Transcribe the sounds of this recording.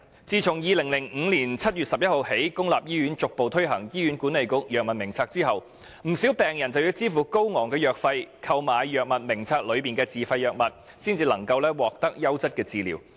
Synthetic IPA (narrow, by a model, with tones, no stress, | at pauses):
t͡siː˨˧t͡sʰʊ˨˩ŋjiː˨˧lɪ˨˩ŋlɪ˨˩ŋ̩ː˨˧liː˨˩nt͡sʰɐ˥t̚jyː˨tsɐ˨p̚jɐ˥t̚ho˨whe˨˥jkʊ˥ŋlaː˨p̚jiː˥ɥyː˨˥nt͡sʊ˨k̚po˨wt̪ʰɵ˥ɥɦɐ˨˩ŋjiː˥ɥyː˨˥nkuː˨˥nle˨jkʊ˥k̚jœː˨k̚mɐ˨t̚mɪ˨˩ŋt͡sʰaː˧k̚t͡siː˥hɐ˨w | m̩˨˩siː˨˥wpɛː˨ŋjɐ˨˩nt͡sɐ˨wjyː˧t͡siː˥fuː˨ko˥wŋɔː˨˩ŋkɛː˧jœː˨k̚fɐ˧jkʰɐ˧wmaː˨˧jjœː˨k̚mɐ˨t̚mɪ˨˩ŋt͡sʰaː˧k̚lɵ˨˧ɥpiː˨nkɛː˧t͡siː˨fɐ˧jːœː˨k̚mɐ˨t̚ | siː˥nt͡siː˧lɐ̰˨˩ŋkɐ˧wlɛː˥wɔː˨k̚t̪ɐ˥k̚jɐ˥wt͡sɐ˥t̚kɛː˧t͡siː˨lḭː˨˩w